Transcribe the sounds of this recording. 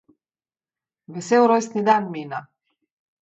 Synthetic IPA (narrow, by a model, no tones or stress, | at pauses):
vɛsɛɾɔjsnid̪anmina